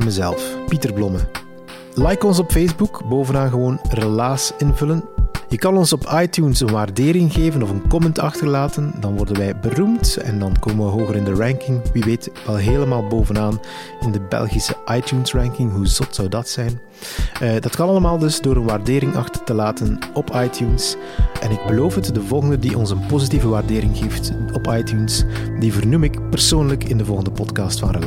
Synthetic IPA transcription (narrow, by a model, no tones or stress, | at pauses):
məzɛ̰lˠfpitərblɔmə | lɛjkɔns̬ɔpfejzbukboːvənaːnɣəʋoːnrəlaːsɪnvɵlənjəkɑnɔnsɔpʰɑjtuːnsənʋaːrdeːɾɪŋɣeːvənɔvənkɔmɛntɑxtərlaːtəndɑnʋɔrdənʋɛjbənumtɛ̰ndɑnkoːmənʋəɦoːɣəɾɪndərɛŋkɪŋʋiʋeːtʋɛlˠɦeːləmaːlˠboːvənaːn | ɪndəbɛ̰lˠɣisəʔɑjtjuːnsrɛŋkɪŋɦuzɔtsɑwdɑtsɛjn | dɑtkɑnɑlˠəmaːlˠdɵzdoːɾənʋaːrdeːɾɪŋɑ̰xtə̥r̥təlaːtənɔpʰɑjtʰjuns | ʔɛnɪɡ̚bəloːfɦətdəvɔlˠɣəndədiʔɔnsənpozitivəʋaːrdeːɾɪŋɣeːftɔpɑjtjunsdivərnumɪkpərsoːnləkɪndəvɔlˠɣəndəpɔtkɑːstfɑnrəl